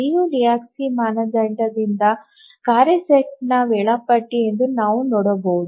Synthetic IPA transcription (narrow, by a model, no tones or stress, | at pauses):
iːjuɾijaːksimaːnɐd͡ʒɐɳʈɐd̪ind̪ɐ | kaːɾeseʈnɐʋɛɭɐpɐʈːiend̪unaːʋunɔːɽɐbowud̪u